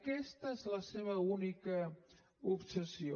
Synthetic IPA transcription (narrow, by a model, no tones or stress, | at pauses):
kɛst̪əezləseβ̞əunikə | upsəsio